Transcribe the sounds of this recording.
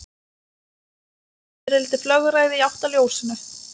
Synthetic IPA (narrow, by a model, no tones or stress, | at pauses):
ɛɾɪlɪt̪ɪflœɣʏɾaːjðɪiawht̪aljoːwsɪnʏ